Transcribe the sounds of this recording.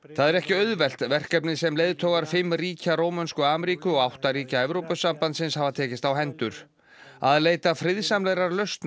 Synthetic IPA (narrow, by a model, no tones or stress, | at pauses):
θaðɛɾɛhcɪœðvɛl̥t̪vɛr̥kɛpnɪsɛmleːjðt̪ʰoːwɣaɾ̥fɪmːriːcaɾoːwmanskʏaːmɾiːkʏɔɣawht̪aɾiːcaɛvɾowpʏsampant̪sɪnshavat̪ʰɛːcɪst̪awɦɛnt̪ʏɾ̥ | aðleːjt̪afɾɪðsamlɛɣɾaɾlœɥst̪n